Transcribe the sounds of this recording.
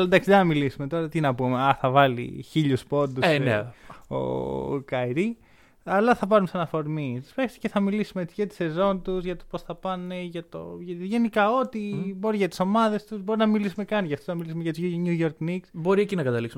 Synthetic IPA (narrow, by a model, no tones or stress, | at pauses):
ɐlnd̪ɐksid̪enɐmilisume̞t̪o̞ɾɐt̪inɐpumeɐθɐvɐlḭçiʎuspo̞nd̪ueneo̰kɐiɾi | ɐlɐθɐpɐɾumesɐnɐfo̞ɾmitspexsi̥ceθɐmilisumeet͡siʝɐt̪i̥se̞zo̞nt̪uzʝɐt̪oposθɐpɐneʝɐt̪oʝʝe̞nikɐo̞t̪ibo̞ɾiʝɐt̪iso̞mɐðe̞st̪uzbo̞ɾinɐmilisume̞kɐnʝɐft̪onɐmilisumeʝɐt̪uɲuʝo̞ɾkniksbo̞ɾiecinɐkɐt̪ɐliksum